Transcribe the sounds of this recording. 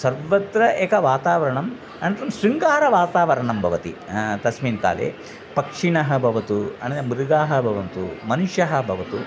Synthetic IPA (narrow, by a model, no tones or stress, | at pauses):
sɐɾʋɐd̪ɾɐʔeːkɐʋaːt̪aːʋɐɾɐɳɐm | ɐnt̪ɾɐmsɾiŋkaːɾɐʋaːt̪aːʋɐɾɐɳɐmbʱɐʋɐt̪ḭt̪ɐsmiːnka̰ːlḛː | pɐkʂiɳɐɦɐbʱɐʋɐt̪uɐ̰ɳɐɐmuɾuɡaːɦɐbʱɐʋɐnt̪ṵmɐnuʂjɐɦɐbʱɐʋɐt̪u